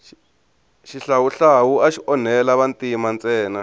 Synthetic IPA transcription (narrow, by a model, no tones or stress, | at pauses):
ʃiɬawuɬawuaʃiʔɔnɛlaβantimant͡sʼɛːna